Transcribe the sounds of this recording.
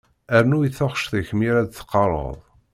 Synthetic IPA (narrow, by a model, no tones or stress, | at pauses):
æɾnujiθoχʃθəçmiɾad̪θə̥qːɑɾˤə̰ðˤ